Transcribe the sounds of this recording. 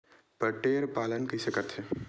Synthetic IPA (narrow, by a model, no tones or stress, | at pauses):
pəʈeːɾpaːlənkisekət̪ʰe